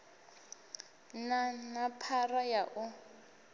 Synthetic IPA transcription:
nanapʰarajaʔʊ

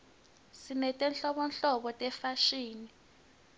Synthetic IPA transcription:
simɛtʼɛnɬɔɓɔnɬɔɓɔtʼɛfaʃiːni

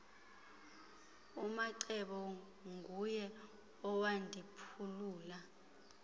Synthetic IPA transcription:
umaǀɛɓɔ | ŋɡʱujɛ | ɔwandʱipʰuluːla

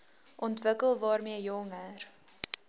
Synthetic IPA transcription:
ʔɔntvəkəlˠvɑːrmiəjɔŋər

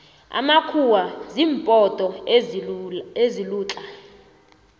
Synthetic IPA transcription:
a̰makʰuwaziːmpʼɔtʼɔ | eziluːt͡ɬʼa

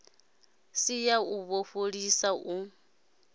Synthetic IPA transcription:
sijauβoɸoɺisaʔu

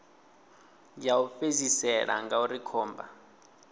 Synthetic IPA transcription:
jaufezisɛla̰ŋɡauɾikʰɔːmba̰

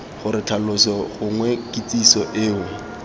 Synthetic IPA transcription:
χʊɾɪtʰalʊsɔχʊŋwɛkʼit͡sisɔʔɪːwɛ

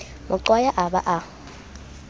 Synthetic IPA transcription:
mʊǀwajaʔabaʔa

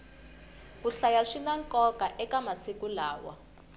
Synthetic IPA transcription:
kuɬajaʂinaŋkɔkaʔɛkamasikulaːwa̰

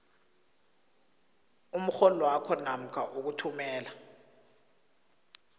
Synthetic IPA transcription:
um̩xɔlwakʰɔnam̩kʰaʔuk̬utʰumɛːla

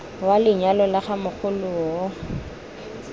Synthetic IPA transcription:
walɪɲalɔlaχamʊk͡xʰʊlʊɔ

